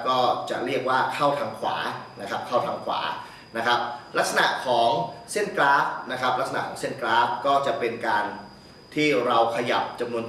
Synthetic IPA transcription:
kɔː˥˩t͡ɕa̰˨˩ʔɾi˥˩ək̚waː˥˩kʰa˥˩wt̪ʰa˧mkʰwa̰ː˩˦na˦˥kʰa˦˥p̚kʰa˥˩wt̪ʰa˧mkʰwa̰ː˩˦ | na˦˥kʰɾa˦˥p̚la˦˥k̚sa˧na̰˨˩kʰɔː˩˦ŋse˥˩nklaː˦˥p̚na˦˥kʰɾa˦˥p̚la˦˥k̚sa˧na̰˨˩kʰɔː˩˦ŋse˥˩nklaː˦˥p̚kɔː˥˩t͡ɕa˨˩pe˧nkaː˧n | t̪ʰiː˥˩ɾa˧wkʰa˧ja̰˨˩p̚t͡ɕa˧mnu˧ən

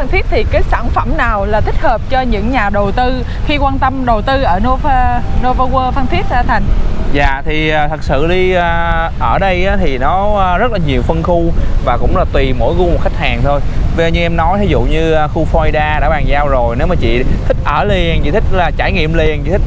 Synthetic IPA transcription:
fə˧nt̪ʰi˦˥ət̚t̪ʰi˨˩kaː˨˦jsaː˧˩nfə˧˩mnaː˨˩wlaː˨˩t̪ʰï˦˥k̟̚həː˨˩p̚t͡ɕɔ˧ɲɨ̰˧˥ŋɲaː˨˩ɗo˨˩t̪ɨ˧ | xi˧kwaː˧nt̪ə˧mɗo˨˩wt̪ɨ˧ʔəː˧˩no˧və˧no˧vəː˧ɣwəː˧fə˧nt̪ʰi˦˥ək̚ːt̪ʰa˨˩jŋ̟za̰ː˧˨t̪ʰi˨˩ʔaː˨˩t̪ʰə˨˩k̚sɨ̰˧˨ɗi˧aː˧ʔəː˧˩ɗə˧jʔaː˨˦t̪ʰi˨˩nɔ˨˦˧zə˦˥t̚laː˨˩ɲi˨˩əwfə˧nxu˧vaː˨˩kʊ̰˧˥ŋ͡mlaː˨˩t̪wi˨˩mo̰˧˥jɣu˧mo˨˩t̚xa˦˥k̚haː˨˩ŋt̪ʰo˧jvə˧ɲɨ˧ʔɛ˧mnɔ˨˦jt̪ʰi˨˦zṵ˧˨ɲɨː˧˨˩xu˧fɔ˧i˧ɗaː˧ɗa̰ː˧˥ɓaː˨˩zaː˧wzo˨˩jne˨˦wmaː˨˩t͡ɕḭ˧˨t̪ʰï˦˥k̟̚ʔəː˧˩le˨˩ənt͡ɕḭ˧˨t̪ʰï˦˥k̟̚laː˨˩t͡ɕaː˧˩jŋḭ˧˨əmle˨˩ənt͡ɕḭ˧˩ï˦˥k̚

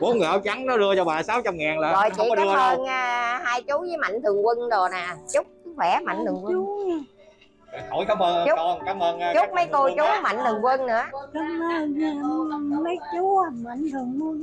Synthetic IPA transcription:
ɓo˨˦nŋɨ˨˩əjʔɔ˨˦wt͡ɕa˨˦ŋnɔ˨˦lɨ˧ət͡ɕɔ˧ɓaː˨˩saː˨˦wt͡ɕa˧mŋaː˨˩nlaː˨˩zɔ˨˩jt͡ɕḭ˧˨ɔ˧˦˨əː˧nː˧˩haː˧jt͡ɕu˨˦zəː˨˦jma̰˧˨jŋt̪ʰɨ˨˩əŋkwə˧ŋzo˨˩naː˨˩t͡ɕʊ˦˥k͡p̚kɨ˨˧˦wɛ˧˩ma̰˧˨ŋ̟t̪ʰɨ˨˩ŋkwə˧ŋ˨˩ | ho˧˩˦jkaː˨˦mʔəː˧n˧t͡ɕʊ˦˥ɔː˧˩kaː˨˦məː˧nː˧t͡ɕʊ˦˥˦k͡p̚mə˨˦jko˧t͡ɕu˨˦ma̰˧˨jŋ̟t̪ʰɨ˨˩ŋkwə˧nnɨ̰˧˥ə˨˧˨ | mə˨˦jt͡ɕu˨˦˧ma˧˨ŋt̪ʰɨ˨˩əŋkə˧ŋ

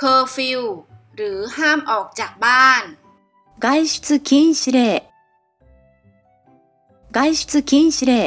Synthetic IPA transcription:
kʰɤː˧fi˧w | ɾɯː˩˦haː˥˩mʔɔː˨˩k̚t͡ɕaː˨˩k̚baː˥˩n | ɡa˧jɕi̥˧t͡sɨ˧ki˧˥nɕi˧ɾe˧˩ | ɡa˧˥jɕi̥˧t͡sɨ˧ki˧˥nɕi˧ɾe˧˩

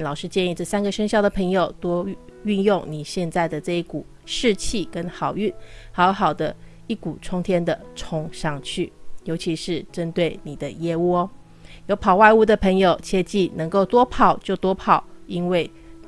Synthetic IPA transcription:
lɑ˨˩ʊʂɻ̩˥˧t͡ɕjɛ˥˧ni˥˧ʈ͡ʂɤ˥˩sa˥nɡə˨ʂə˥ŋɕjɑ˥˩ʊd̪ə˩pʰə˧˥ŋjo˨˩ʊt̪wɔ˥y˥˧njʊ˥˩ŋni˨˩ɕjɛ˥˧nt͡sa˥˩ɪd̪ə˩ʈ͡ʂɤ˥˧i˥˩ku˨˩ | ʂɻ̩˥˧t͡ɕʰi˥˩kə˦˥nxɑ˨˩ʊy˥˩nha˥˧˥o˧˥xɑ˨˩ʊd̪ə˦ | i˥˩ku˨˩ʈ͡ʂʰʊ˥ŋt̪ʰjɛ˥nd̪ə˨ʈ͡ʂʰʊ˥ŋʂɑ˥˧ŋt͡ɕʰy˥˩jo˧˥ʊt͡ɕʰi˧˥ʂɻ̩˥˩ʈ͡ʂə˦˥nt̪we˥˩ɪni˨˩d̪ə˦jɛ˥˧u˥˩ɔ˦ | jo˧˥ʊpʰɑ˨˩ʊwa˥˧ɪu˥˩d̪ə˨˩pʰə˧˥ŋjo˨ʊt͡ɕʰjɛ˥t͡ɕi˥˩nɤ˧˥ŋko˥˩ʊt̪wɔ˥pʰɑ˨˩ʊt͡ɕjo˥˩ʊt̪wɔ˥pʰɑ˨˩ʊi˥nwe˥˩ɪ

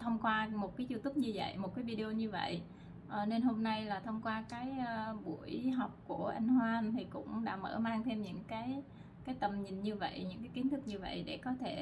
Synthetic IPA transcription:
t̪ʰə˧wŋ͡mkwaː˧mo˨˩t̚kaː˨˦jzu˧t̪u˦˥p̚ɲɨ˧və̰˧˨jmo˨˩t̚kaː˨˦jvi˧ɗi˧o˧ɲɨ˧və̰˧˨j | ʔəː˨˩ne˧nɦo˧mna˧jlaː˨˩t̪ʰə˧wŋ͡mkwaː˧kaː˨˦jɓu˧˩əjɦa˨˩wk͡p̚ku˧˩əʔa˧jŋ̟hwaː˧nt̪ʰi˨˩kʊ̰˧˥ŋ͡mɗa̰ː˧˥mə̰ː˧˩maː˧ŋt̪ʰe˧mɲɨ̰˧˥ŋkaː˨˦j | kaː˨˦jt̪ə˨˩mɲi˨˩ŋ̟ɲɨ˧və̰˧˨jɲɨ̰˧˥ŋkaː˨˦jki˨˦nt̪ɨ˦˥k̚ɲɨ˧və̰˧˨jɗe˧˩kɔ˨˦t̪ʰe˧˩

